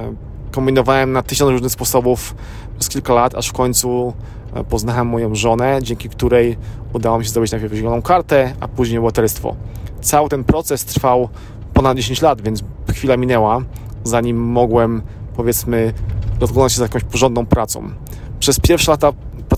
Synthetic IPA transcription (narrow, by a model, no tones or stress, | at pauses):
kɔmbʲinɔvawɛmnat̪ɘɕɔ̃nsɾuʐnɘxspɔsɔbuf | pʂɛskʲilkalat̪a̰ʂfkɔɲʲt̪su | pɔznawɛmːɔjɔ̃w̃ʐɔnɛd͡ʑɛŋkʲikt̪uɾɛjud̪awamɕɛzd̪ɔbɘt͡ɕnajpʲɛɾvʑɛlɔnɔ̃w̃kaɾt̪ɛʔa̰puʑɲejbbat̪ɛlst̪fɔ̰t̪sawɘt̪ɛnpɾɔt̪sɛst̪ɾfaw | pɔnad̪̚d͡ʑeɕ̬eɲt͡ɕlad̪vʲɛnt̪sxfʲilamʲinɛwazaɲimːɔɡwɛm | pɔvʲjɛt̪smɘd̪ɔzklɔnat͡ɕɕɛzajakɔ̃w̃ɕpɔʒʐɔnd̪nɔ̃w̃pɾat̪sɔ̰̃w̃ | pʂɛspʲjɛɾfʂɛlat̪ap